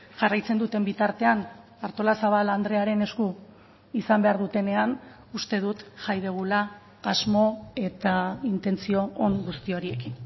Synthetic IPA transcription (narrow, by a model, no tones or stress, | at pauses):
ʝarajt͡se̞nd̪ut̪e̞mbit̪aɾt̪e̞an | aɾt̪o̞lasaβ̞aland̪ɾe̞aɾe̞ne̞sku | isambe̞aɾðut̪e̞ne̞an | ust̪e̞ð̞ut̪ʝajð̞eɣ̞ulaː | zmo̞e̞t̪aint̪e̞nt͡sio̞ːŋɡust̪io̞ɾie̞kin